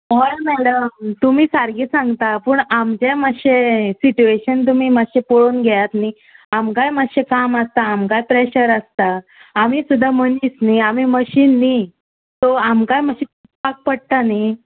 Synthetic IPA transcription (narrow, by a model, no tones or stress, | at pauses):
ɔɭmɛɽəmt̪um̤iːsaɾɡisãŋɡt̪apuːɳamt͡ɕeməɕesit͡ɕueɕənt̪̬umiːməɕepoɭuːnɡʱɛjat̪ni | amkajməɕekaməst̪aːmkajpɾeɕəɾəst̪aː | misud̪ʱːam̤əniːsniamiməɕiːnːi | t̪oamkajməɕit | pak̚pəɽt̪ani